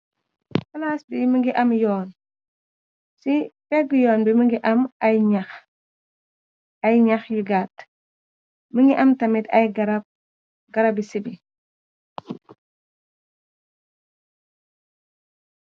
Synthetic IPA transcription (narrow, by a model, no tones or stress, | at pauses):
fɐlasbiməŋɡiʔɐmjɔːn | sipɛɡjɔːnbiməŋɡiʔɐmɐjɲax | ajɲɐxjiɡaːt | məŋɡiʔɐmtɐmitɐ̰jɡɾ̚ | ɡɐɾabisibi